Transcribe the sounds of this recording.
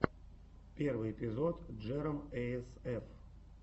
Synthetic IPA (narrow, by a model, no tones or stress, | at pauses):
pʲervɨjɪpʲɪzot̪d͡ʐɛɾəmɛɛsɛf